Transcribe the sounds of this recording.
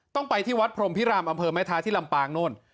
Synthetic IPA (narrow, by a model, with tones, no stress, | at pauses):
t̪ɔ˥˩ŋpa˧jt̪ʰiː˥˩wa˦˥t̪̚pʰɾo˧mpʰi˦˥ɾaː˧mʔa˧mpʰɤː˧maː˦˥˩t̪ʰaː˦˥t̪ʰiː˥˩la˧mpaː˧ŋno˥˩n